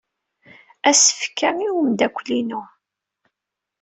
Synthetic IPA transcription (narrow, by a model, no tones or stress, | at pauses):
æsə̥fkːæmiwəmd̪ækʷːlinʊ